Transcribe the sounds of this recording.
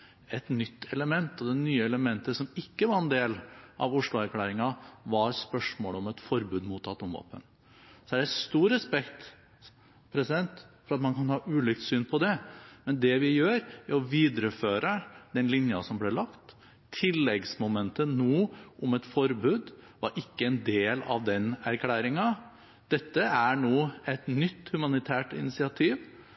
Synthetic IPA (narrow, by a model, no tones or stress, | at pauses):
ɛt̪nʏt̪ːɛləmɛnt̪ɔd̪ɛnyːəɛləmɛnt̪əsɔmɪkːəʋɑɾɛnd̪eːlʔɑ̰ʋʊʂlʊæɾkʰlæːɾɪŋɑʋɑɾspœʂmoːlɔmɛt̪fɔɾbʉːd̪muːt̪ʰɑt̪ːʊmʋɑ̰ːpə̰n | sɔæɾæst̪uːɾɛspɛkt̪ | pʰɾɛsɪd̪ɛnt̪fɔɾɑt̪mɑnkʰɑnhɑːʔʉːlɪk̚t̪syːnpʰɔd̪ɛmɛnd̪ɛʋɪjøːɾæɾɔʋiːd̪ɾəføːɾəd̪ɛnlɪnjɑsɔmblɛɭɑkt̪ʰː | ɪlːɛɡsmʊmɛnt̪ənnuːʔʊmɛt̪fɔɾbʉːd̪ | ʋɑɾʔɪkːəɛnd̪eːlɑ̰ʋd̪ɛnæɾkʰlæːɾɪŋɑ | d̪̥ɛt̪ːəæɳuːɛt̪nʏt̪ːhʉmɑnɪt̪ʰæːʈɪ̰nɪsɪɑt̪ʰiːʋ